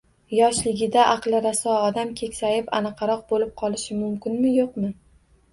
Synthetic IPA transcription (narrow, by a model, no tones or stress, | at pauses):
jɒʃlɪɡʲɪd̪aʔɑqlˠɪɾasɒɒd̪amkʲʰekʲsajɪpanɨqʰɑɾɒq̚bolɪp̚qʰɒlˠɪʃɪmʊmkʲɪnmɪjoqmɪ